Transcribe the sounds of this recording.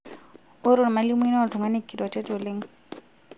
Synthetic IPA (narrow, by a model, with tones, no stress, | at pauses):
ʊ˦ɾʊ˨n̩˨ma˨li˦mʊ˦i˦n˦a˦tʰʊ˨ŋwa˦ne˦kʼi˨ɾɔ˨tɛ˦to˨lɪ˦ŋ̩˦